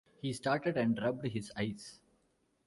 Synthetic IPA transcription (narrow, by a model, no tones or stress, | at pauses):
hiːsʈaːɾʈeɖæ̃ɳɖɾʌbɖɦɪzaɪs